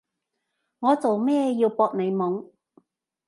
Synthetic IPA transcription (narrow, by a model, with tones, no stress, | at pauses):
ŋɔː˨˧t͡so˨wmɛː˥˧jiː˧wpɔː˧k̚ne˨˧jmʊ˨˥ŋ